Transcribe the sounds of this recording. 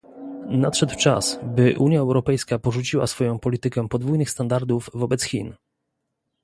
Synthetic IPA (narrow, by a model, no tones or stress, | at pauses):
nat̪ʂɛd̪wt͡ʂa̰sbɘʔuɲjaɛwɾɔpɛjskapɔʐut͡ɕiwa̰sfɔjɔ̃w̃pɔlʲit̪ɘkɛpɔd̪vujnɘxst̪and̪aɾd̪uvːɔbɛt̪sxʲḭn